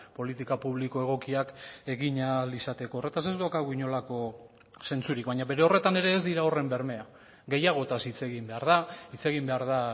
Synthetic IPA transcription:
po̞lit̪ikapuβ̞liko̞eɣ̞o̞kiake̞ɣiɲalisat̪e̞koːre̞t̪asezðuakaɣuiɲo̞lako̞ | se̞nt͡suɾikβajɲaβe̞ɾe̞o̞re̞t̪ane̞ɾe̞ːzd̪iɾao̞re̞mbe̞ɾme̞a | ɣe̞jaɣ̞o̞t̪asit͡se̞ɣimbe̞aɾðait͡se̞ɣimbe̞aɾða

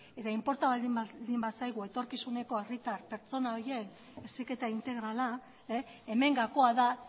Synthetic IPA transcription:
e̞t̪aimpo̞ɾt̪aβald̪imd̪imbasajɣ̞ue̞t̪o̞ɾkisune̞ko̞erit̪aɾpe̞ɾt͡so̞nao̞ɾje̞n | esike̞t̪aint̪e̞ɣɾala | ee̞me̞ŋɡako̞aða

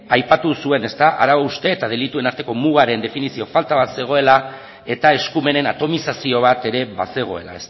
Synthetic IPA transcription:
ajpat̪usue̞ne̞st̪aʔaɾaβaust̪e̞ːt̪að̞e̞lit̪ue̞naɾt̪e̞ko̞muɣaɾe̞nd̪e̞finisio̞falt̪aβat̪se̞ɣ̞o̞e̞la | e̞t̪ae̞skume̞ne̞nat̪o̞misasio̞β̞at̪e̞ɾe̞βase̞ɣ̞o̞̰e̞̰la̰es

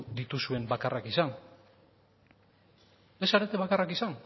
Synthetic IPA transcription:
d̪it̪usue̞mbakarakisan | e̞saɾe̞t̪eβakarakisan

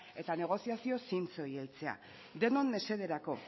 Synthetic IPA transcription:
e̞t̪ane̞ɣ̞o̞siasio̞sint͡so̞jelt͡se̞a̰ | d̪e̞no̞nːe̞se̞ðe̞ɾako̞

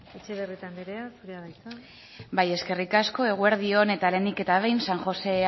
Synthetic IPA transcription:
et͡ʃe̞βeret̪ambeɾeasuɾeaðajt͡sa | baje̞ske̞rikasko̞e̞ɣ̞ue̞ɾðio̞ne̞t̪ale̞nd̪ike̞t̪aβ̞ejnsaŋxo̞se̞

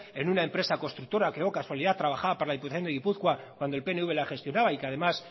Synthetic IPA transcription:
e̞nunaempɾe̞sako̞st̪ɾuk̚t̪o̞ɾakeokaswaliðat̪ːɾaβ̞axaβapoɾlaðip̬ut̪aθjo̞neɣipuθkwakkwand̪olpe̞neuβe̞laxe̞st̪jo̞naβaikeaðe̞mas

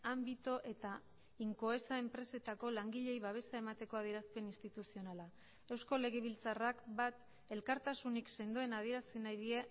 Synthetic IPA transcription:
ambit̪o̞ʔe̞t̪a | iŋko̞e̞sae̞mpɾe̞se̞t̪ako̞laŋɡiʎe̞jβaβ̞e̞sae̞mat̪e̞ko̞að̞ie̞ɾaspe̞ninst̪it̪usio̞nala | e̞wsko̞le̞ɣ̞e̞β̞ilt͡sarakbat̪ | e̞lkaɾt̪asunikse̞nd̪ue̞nað̞ie̞ɾasinajðie̞

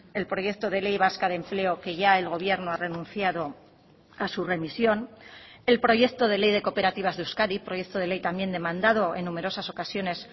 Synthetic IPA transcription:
e̞lpɾo̞je̞k̚t̪o̞ð̞e̞le̞jβ̞askaðemple̞o̞ke̞ʝae̞lɣ̞o̞β̞je̞ɾno̞are̞nũnθjaðo̞ | asure̞misjo̞ne̞lpɾo̞ʝe̞k̚t̪o̞ð̞e̞le̞jð̞e̞ko̞pe̞ɾat̪iβ̞azðeuskaɾipɾo̞je̞kt̪o̞ð̞e̞le̞jt̪amje̞nd̪emãnd̪að̞o̞e̞nːume̞ɾo̞saso̞kasjo̞ne̞s

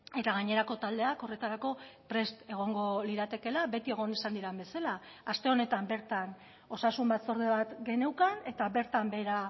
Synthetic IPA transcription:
e̞t̪aɣaɲe̞ɾako̞t̪ald̪e̞ako̞re̞t̪aɾako̞pɾe̞st̪e̞ɣ̞o̞ŋɡo̞liɾat̪e̞ke̞labe̞t̪ie̞ɣ̞o̞nisand̪iɾambe̞salaːst̪e̞o̞ne̞t̪ambe̞ɾt̪an | o̞sasumbat̪so̞ɾðeβ̞at̪ɡe̞ne̞wkane̞t̪aβe̞ɾt̪ambe̞ɾa

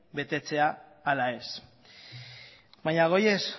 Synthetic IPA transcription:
be̞t̪e̞t͡se̞aː | lae̞s | baɲaɣ̞o̞jes

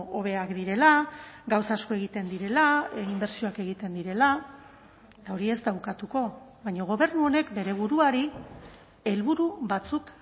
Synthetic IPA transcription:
oβ̞e̞akd̪iɾe̞laɡawsasko̞e̞ɣit̪e̞nd̪iɾe̞laimbe̞ɾsio̞ake̞ɣit̪e̞nd̪iɾe̞la | t̪ao̞ɾie̞zd̪awkat̪uko̞βajɲoɣ̞o̞βe̞ɾnuo̞ne̞kbe̞ɾe̞β̞uɾuaɾi | e̞lβuɾuβat͡suk

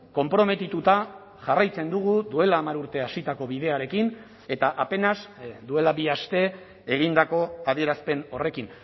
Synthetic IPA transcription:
ko̞mpɾo̞me̞t̪it̪ut̪a | ʝarajt͡se̞nd̪uɣ̞uðue̞laːmaɾuɾt̪e̞asit̪ako̞βið̞e̞aɾe̞kin | e̞t̪aʔape̞nazd̪ue̞labiast̪e̞ | eɣ̞ind̪ako̞að̞ie̞ɾaspe̞no̞re̞kin

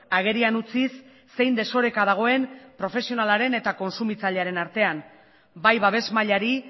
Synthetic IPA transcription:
aɣ̞e̞ɾianut͡sisː | e̞jnd̪eso̞ɾe̞kað̞aɣ̞o̞e̞npɾo̞fe̞sio̞nalaɾe̞ne̞t̪ako̞nsumit͡saʎeaɾe̞naɾt̪e̞an | bajβaβ̞e̞zmaʎaɾi

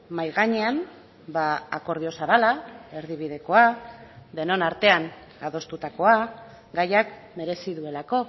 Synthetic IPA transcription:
majɣaɲe̞am | baako̞ɾð̞io̞saβalae̞ɾðiβ̞ið̞e̞ko̞ad̪e̞no̞naɾt̪e̞an | aðo̞st̪ut̪ako̞a | ɡajak | me̞ɾe̞siðue̞lako̞

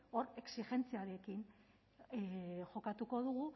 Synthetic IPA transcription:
o̞ɾe̞ksiʝe̞nt͡siaɾe̞kin | ʝo̞kat̪uko̞ð̞uɣu

